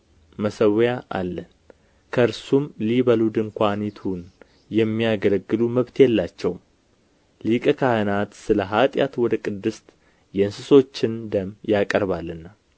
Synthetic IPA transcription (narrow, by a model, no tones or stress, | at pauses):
məsəwjaʔa̰lːən | kʰəɨɾsumliβəlud̪ɨŋkʷanit̪ʰun | jɛmːijaɡələɡːɨluməβt̪ʰjɛlːat͡ʃːɛwm | likʼəkʰahɨnat̪sɨləɦat̪ʼja̰t̪wɔd̪əkʼɨd̪ːɨst̪ | jɛɨnsɨso̞t͡ʃːɪnd̪əmjakʼəɾβalːɨnːa